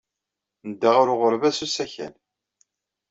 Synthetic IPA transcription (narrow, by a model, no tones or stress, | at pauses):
nəd̪ːæʁʊɾʊʁəɾvæsusæçæ̰l